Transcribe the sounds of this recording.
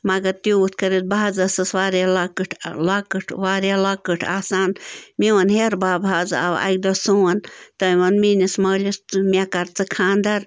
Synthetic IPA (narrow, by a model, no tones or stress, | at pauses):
mɐɡɐt̪uut̪ʰkɐɾit̪̚baːd͡zɐsɨsʋaːɾjalɐkɨʈʰlakɨʈʰʋaːɾjalɐkɨʈʰaːsaːnmiʋɐnɦeɾbaːbʱaːd͡za̰wɐ̰k̚d̪ɐsuwɐnt̪ɐʋɐnminismɐːlʲisɨmʲakɐɾt͡sɨkʰaːnd̪ɐɾ